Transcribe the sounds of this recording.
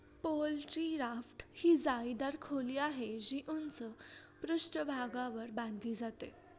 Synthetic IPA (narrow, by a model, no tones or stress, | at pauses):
polʈɾiɾafʈhiːd͡zajd̪aɾkʰoliːaɦed͡ʑiʔunt͡səpɾuʂʈəbʱaɡaʋəɾbãnd̪iːd͡zat̪e